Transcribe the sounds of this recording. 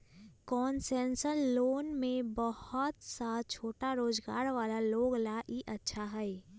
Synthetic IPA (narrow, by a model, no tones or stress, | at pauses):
kɔːnsɛ̃ːnsəɾloːnmẽbəhʊt̪sat͡ʃʰoːʈaɾoːd͡ʒɡa̰ːɾʋaːlaloːɡlaʔiʔɐtːʃʰaɦɛɛ